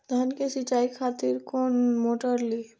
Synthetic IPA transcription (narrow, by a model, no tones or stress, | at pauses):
d̪ʱankesit͡ʃaːikʰaːt̪iɾkoːnmoːʈəɾliː